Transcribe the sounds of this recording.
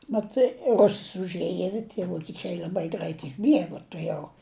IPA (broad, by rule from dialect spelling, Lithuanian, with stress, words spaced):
mɐˈtɐɪ ˈrʊss ʊʒʲˈeːjɛ ɪr tʲiɛ ʋoːkʲɪˈt͡ʃʲɛɪ lʲɐˈbɐɪ ˈɡrɐɪt ɪʒʲˈbʲiɛɡʊ tʊˈjɛʊ